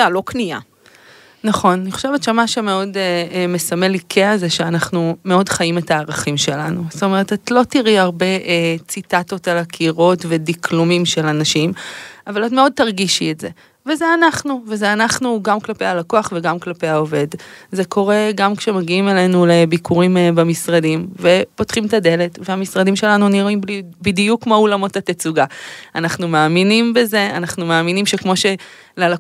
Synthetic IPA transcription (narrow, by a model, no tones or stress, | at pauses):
alo̞knia̰ | naχo̞nniχo̥ʃevett͡ʃamaʃemeo̞dme̞samelikʰeazeʃeanaχnumeo̞dχajimetaːʁaχimʃe̞lanust̪ome̞ʁetatlo̞tiʁiaʁbe̞ʔt͡sitato̞talakʰiʁo̞tve̞dikʰlumimʃe̞lanaʃimavalatme̞o̞d̚taʁɡiʃietze̞ | vezeanaχnuvezeanaχnuɡamklapejalakoaχveɡamklape̞jao̞ve̞dze̞kʰo̞ʁe̞ɡamkʃe̞maɡiime̞le̞nulebikʰuʁimbamisʁadimve̞po̞tχimtade̞le̞tveamisʁadimʃe̞lanuniʁoimblibidijukmaulamo̞tatet͡suɡaanaχnumaːminimbe̞ze̞anaχnumeːminimʃe̞kmo̞ʃe̞ | lala